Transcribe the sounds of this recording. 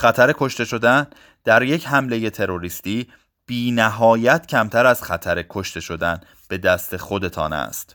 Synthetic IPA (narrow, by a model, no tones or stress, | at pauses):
χæt̪ʰæɾe̞kʰo̞ʃt̪e̞ʃo̞d̪æn | d̪̥æɾje̞cɦæmle̞je̞t̪ʰe̞ɾo̞ɾist̪iː | b̥iːnæɦɒːjæt̪ʰcʰæmt̪ʰæɾæz̥χæt̪ʰæɾe̞kʰo̞ʃt̪e̞ʃo̞d̪æn | b̥e̞d̪æst̪exo̞d̪e̞t̪ʰɒ̰ːnæ̰st̪